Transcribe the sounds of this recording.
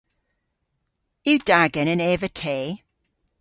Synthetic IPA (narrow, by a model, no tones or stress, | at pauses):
ɪwd̥aɡənəneːvətʰeː